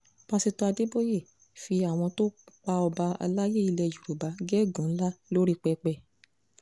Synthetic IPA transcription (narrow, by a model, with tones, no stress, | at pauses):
pã˧si˧tɔ˧˦a˧de˦bo˦je˦˨ | fi˧a˨w̃ɔ̃˧to˦k͡pa˧ɔ˧ba˧a̰˧la˦je˦i˧lɛ˧˨d͡ʒu˨ɾu˨ba˨˧˦ɡɛ˦˨ɡũ˨˦la˦lo˦ɾi˦k͡pɛ˧k͡pɛ˦˨